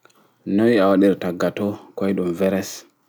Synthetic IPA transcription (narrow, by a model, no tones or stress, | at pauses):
nɔjawaɗiɾtaɡatɔkɔjɗumvɛɾɛs